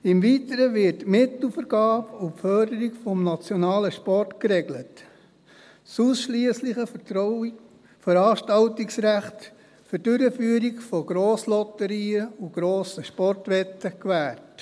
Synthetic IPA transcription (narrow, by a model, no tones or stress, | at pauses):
ɪmviːtəɾəvɪɾtmɪtl̩fəɾɡ̥ɑːbupfœɾdəɾɪɡfɔmnɑt͡sjɔnɑːləʃpɔrtkɾɛɡlət | suːsʃliəslɪχəəɔ | fəɾɑːʃtɑltɪksɾæχt | fʏɾd̥ʏɾəfyːəɾiɡfɔɡ̥ɾoːslɔtəɾiːəuɡ̥ɾoːsəʃpɔrtʋɛtːəkʋæːrt